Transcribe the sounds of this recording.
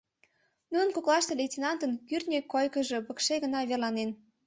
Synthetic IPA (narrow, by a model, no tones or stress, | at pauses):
nunə̆nkoklˠɑʃt̪elʲetʲinɑnt̪ənkyrt̪nʲekːojkə̆ʒɤ̽pə̆kʃeɣənɑβerlɑnen